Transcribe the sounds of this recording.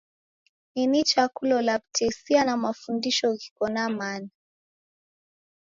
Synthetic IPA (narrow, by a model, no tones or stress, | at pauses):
ninit͡ʃakulɔlaptʰɛsianamafundiʃɔki̥kɔnamana